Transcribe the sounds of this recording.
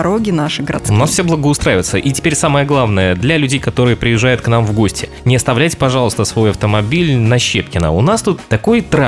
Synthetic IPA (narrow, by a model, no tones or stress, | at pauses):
ɾoɡʲɪnaʂɨɡəɾɐ̰t̪sʊnasfsʲeblˠəɡəʊst̪ɾajɪvɪt̪səʔitʲɪ̥pʲeɾʲsaməjəɡlˠavnəjəd̪lʲɐlʲʉdʲejkɐt̪o̞ɾɨjəpɾʲɪjɪʐːajʊt̪kn̪amvɡo̞sʲtʲɪ | nʲɪɐst̪ɐvlʲæjtʲɪ̥pɐʐɑlˠəst̪əsvo̞jɐft̪əmɐbʲilʲnɐɕːepkʲɪnə̰ʊnast̪ut̪ːɐko̞jt̪ɾa